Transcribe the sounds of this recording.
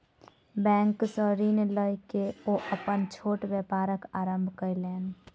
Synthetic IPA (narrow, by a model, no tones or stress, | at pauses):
bɛ̃ːŋksəɾiːnləjkeoʔəpənt͡ʃʰoːʈbəpaːɾəkaːɾəmbʱkəjleːn